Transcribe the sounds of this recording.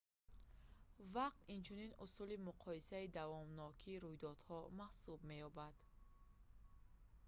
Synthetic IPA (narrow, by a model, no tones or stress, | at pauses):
vaq̚t̪int͡ʃʰuninusulimuqʰɔisaid̪avɔmnɔkʰiːɾujd̪ɔd̪̥hɔmahsubme̞jɔbad̪̥